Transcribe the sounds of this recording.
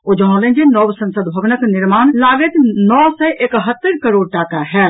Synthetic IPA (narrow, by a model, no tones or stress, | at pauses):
ʊd͡ʒɦãːlẽɡenɔːwsə̃nsəd̪bʱəʋnəknɪɾmaːnlaːɡət̪nɔːsɛʔekɦət̪ːəɾkəɾoːɽʈaːkaɦɛː